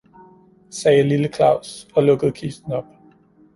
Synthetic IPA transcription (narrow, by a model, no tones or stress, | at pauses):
sɛːliləkʰlɑ̈ʊsɒ̽lɔ̽ɡ̥əð̞̩ˠkʰisn̩ɒ̽b̥